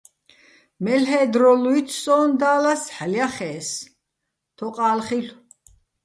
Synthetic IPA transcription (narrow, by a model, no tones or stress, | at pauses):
mɛlɦɛːd̪ɾɔluit̪ʰsɔːnd̪aːlasħaljaχɛːs | t̪ʰɔqʼaːlχiɬ